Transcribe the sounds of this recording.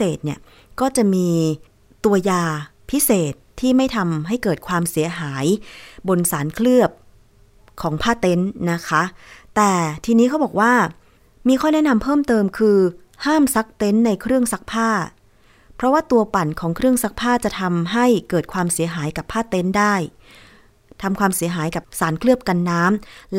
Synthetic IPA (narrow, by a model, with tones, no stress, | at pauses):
eː˨˩t̪̚ni˥˩ə | kɔː˥˩t͡ɕa˨˩ʔmiː˧ | t̪u˧ɐjaː˧pʰi˦˥seː˨˩t̪ʰːiː˥˩ma˥˩jt̪ʰa˧mɦa˥˩jkɤː˨˩t̪̚kʰwaː˧msi˩˦ɐɦaː˩˦jbo˧nsaː˩˦nkʰlɯ˥˩əp̚ | kʰɔː˩˦ŋpʰaː˥˩t̪e˦˥nːa˦˥kʰa˦˥t̪ɛː˨˩t̪ʰiː˧niː˦˥kʰa˦˥wbɔː˨˩k̚waː˥˩ | miː˧kʰɔː˥˩nɛ˦˥na˧mpʰɤː˥˩mt̪ɤː˧mkʰɯː˧ | haː˥˩msa˦˥k̚t̪e˦˥nːa˧jkʰɾɯ˥˩əŋsa˦˥k̚pʰaː˥˩ | pʰɾɔ˦˥waː˥˩t̪u˧ɐpa˨˩nkʰɔː˩˦ŋkʰɾɯ˥˩əŋsa˦˥k̚pʰaː˥˩t͡ɕa˨˩t̪ʰa˧mɦa˥˩jkɤː˨˩t̪̚kʰwaː˧msi˨˩˦ɐɦaː˩˦jka˨˩pʰːaː˥˩t̪e˦˥ndaː˥˩j | t̪ʰa˧mkʰwaː˧msi˩˦ɐɦaː˩˦jka˨˩p̚saː˩˦nkʰlɯ˥˩əp̚ka˧nːaː˦˥ml